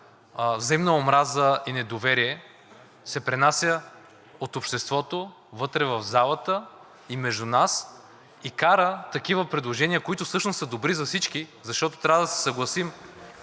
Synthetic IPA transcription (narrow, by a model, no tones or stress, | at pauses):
vzɐimnəomɾazəinɛd̪ovɛɾiɛ | sɛpɾɛnasʲjə | ot̪opʃt̪ɛst̪vɔt̪o | vɤt̪ɾɛvɐvzalˠət̪ə | imɛʒd̪unas | ikaɾət̪ɐk̟ivəpɾɛd̪lˠoʒɛniəkoit̪ʊsɤʃnʊsəd̪obɾizɐfsit͡ʃkizɐʃt̪ɔt̪o̥t̪ɾʲavəd̪ɐsɛ̥sɐɡlˠɐsim